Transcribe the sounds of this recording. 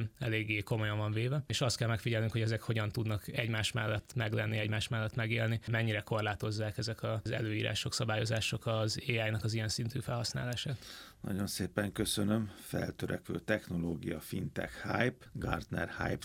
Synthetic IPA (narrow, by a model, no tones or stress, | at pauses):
mɛleːɡːeːko̞mo̞jɒɱvɒɱveːvɛeːʃɒst̪̚kɛlmɛkfiɟɛlnyŋkho̞ɟɛzɛkho̞ɟɒnt̪ud̪nɒkɛɟmaːʃmɛlːɛt̪ːmɛɡlɛnːiɛɟmaːʃmɛlːɛt̪mɛɡeːlnimɛɲːiɾɛko̞rlaːt̪o̞zːaːkɛzɛkʰɒzɛ̰løːjiːɾa̰ːʃoksɒbaːjo̞zaːʃo̞kɒzeːaːjnɒkɒzijɛnsint̪yːfɛlhɒsna̰ːlaːʃaːt̪nɒ̰ɟo̞nseːpɛŋkøsønømfɛ̰lt̪øɾʔɛkʋø̰ːt̪ɛxno̞loːɡijɒfint̪ɛ̰khajpɡard̪nɛ̰rha̰jp